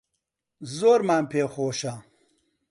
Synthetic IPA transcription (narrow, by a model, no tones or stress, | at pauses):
zoːɾmaːmpʰeːxoːʃa